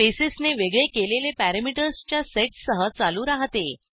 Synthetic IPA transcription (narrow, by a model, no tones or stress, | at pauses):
esesneʋeɡɭekelelepæɾəmiʈəɾst͡ɕjaseʈsəɦət͡saluːɾaɦt̪e